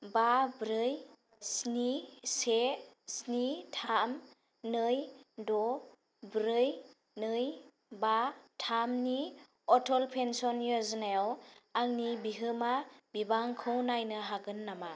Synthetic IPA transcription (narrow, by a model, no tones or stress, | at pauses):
babɾɯj | snisesnitʰaam | nɯjdɔ | bɾɯj | nɯj | batʰamni | ɔtʰɔlpʰensɔnjɔznajawːŋnibiɦɯmabibaŋkʰɯwnajnɯɦaɡɯnːama